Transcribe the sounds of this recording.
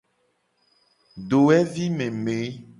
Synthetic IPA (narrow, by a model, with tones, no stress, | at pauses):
ɖo˨ɛ˦vi˦mẽ˨me˨˦